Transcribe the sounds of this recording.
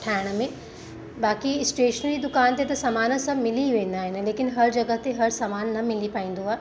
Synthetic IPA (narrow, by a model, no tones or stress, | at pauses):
ʈʰaːɪɽ̃ə̆mẽ | baːkisʈeːʃənlid̪ʊkaːnt̪et̪ɐsɐmaːnəsɐ̃mɪliʋẽːn̆d̪aːɦɪn̆leːkɪnɦɐɾd͡ʑɐɡəɦt̪eɦɐɾsamaːnːɐmɪlipaːɦĩːn̆d̪oaːɦe